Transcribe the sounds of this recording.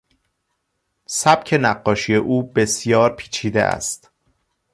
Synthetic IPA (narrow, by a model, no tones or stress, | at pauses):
sæb̥cʰe̞næɢːɒːʃije̞ʔuːbe̞sjɒːɾpʰi̥ːt͡ʃʰiːd̪ḛʔæ̰st̪